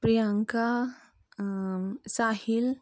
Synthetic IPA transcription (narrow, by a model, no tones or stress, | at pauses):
pɾijaŋka | saːhil